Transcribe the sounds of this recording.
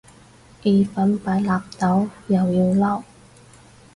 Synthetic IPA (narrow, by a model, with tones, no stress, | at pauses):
ʔi˨˧fɐ˨˥npaː˨˥jlaː˨˧p̚t̪ɐ˨˥wjɐ˨wjiː˧wlɐ˥˩w